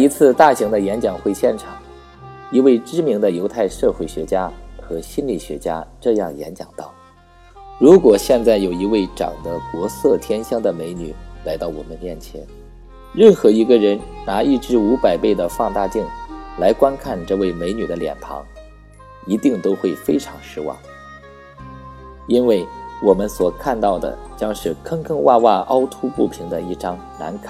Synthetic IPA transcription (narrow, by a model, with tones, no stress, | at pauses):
i˧˥t͡sʰɹ̩˥˧t̪a˥˩ɕi˧˥ŋd̪ə˧jɛ˧˥nt͡ɕjɑ˨˩ŋxwe˥˧ɪɕjɛ˥˩nʈ͡ʂʰɑ˨˩˦ŋ | i˧˥we˥˩ɪʈ͡ʂɻ̩˥mi˧˥ŋd̪ə˧jo˧˥ʊt̪ʰa˥˧ɪʂɤ˥˧xwe˥˩ɪɕɥɛ˧˥t͡ɕja˥xɤ˧˥ɕi˥nli˨˩ɕɥɛ˧˥t͡ɕja̰˥ʈ͡ʂɤ˥˧jɑ̰˥˩ŋjɛ̰˧˥nt͡ɕjɑ̰˨˩ŋt̪ɑ˥˩ʊ | ɻu˧˥kwɔ˨˩ɕjɛ˥˧nt͡sa˥˩ɪjo˨˩ʊi˧˥we˥˩ɪʈ͡ʂɑ̰˨˩ŋd̪ə˦kwɔ˧˥sɤ˥˩t̪ʰjɛ˥nɕjɑ˥ŋd̪ə˨me˧˥ɪny˨˩˦la˧˥ɪt̪ɑ˥˩ʊwɔ̰˨˩mə˦nmjɛ˥˩nt͡ɕʰjɛ̰˧˥n | ɻə˥˩nxɤ˧˥i˧˥ɡə˧ɻə˧˥nna˧˥i˥˩ʈ͡ʂɻ̩˥u˧˥pa˨˩ɪpe˥˩ɪd̪ə˩fɑ˥˧ŋt̪a˥˧t̪i˥˩ŋla˧˥ɪkwa˥nkʰa˥˧nʈ͡ʂɤ˥˧we˥˩ɪme˧˥ɪny˨˩d̪ə˦ljɛ̰˨˩np̪ʰɑ̰˧˥ŋ | i˧˥t̪i˥˩ŋt̪o˥ʊxwe˥˩ɪfe˥ɪʈ͡ʂʰɑ˧˥ŋʂɻ̩˥wɑ̰˥˩ŋ | i˥nwe˥˩ɪwɔ˨˩mə˦nswɔ˨˩kʰa˥˧nt̪ɑ˥˩ʊd̪ə̰˩t͡ɕjɑ˥ŋʂɻ̩˥˩kʰɤ˥ŋkʰɤ˥ŋwa˥˧wa˥˩ʔɑ˥ʊt̪ʰu˥pu˥˩pʰi˧˥ŋd̪ə˧i˥˩ʈ͡ʂɑ˥ŋna̰˧˥nkʰa˨˩˦